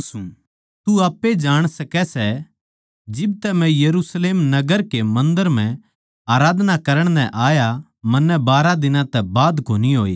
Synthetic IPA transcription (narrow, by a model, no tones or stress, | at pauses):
sũ | t̪uaːpːed͡ʒaːɽ̃sɐkɛsɛ | d͡ʒɪb̚t̪ɛmɛ̃jɐɾusleːmnɐɡəɾkemɐ̃nd̪əɾm̤ɛ̃ | aːɾaːd̪ʱnakɐɾəɽ̃nɛ̃ʔaːja | mɐ̃nːɛbaːɾad̪ɪnãt̪ɛbaːd̪koːniɦoːḛː